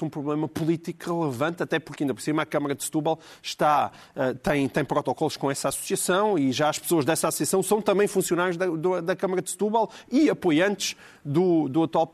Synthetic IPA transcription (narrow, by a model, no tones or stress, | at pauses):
ũpɾuβlˠemɐpulˠit̪ikʁɨlˠɨvɐ̃nt̪ɐt̪ɛpuɾkɐĩnd̪ɐpɾsimɐkɐmɐɾɐd̪ʃt̪uβalˠʃt̪a | ɛt̪ɐ̃j̃t̪ɐ̃j̃pɾɔt̪ɔkɔlˠuʃkõɛsasu̥siɐsɐ̃w̃iʒaɐʃpsoɐʒðɛsasu̥siɐsɐ̃w̃sɐ̃w̃t̪ɐ̃mbɐ̃j̃fũsijunaɾjuʒðɐd̪ud̪ɐkɐmɐɾɐd̪ʃt̪uβalˠiɐpojɐ̃nt̪ʃ | d̪ud̪uɐt̪walˠ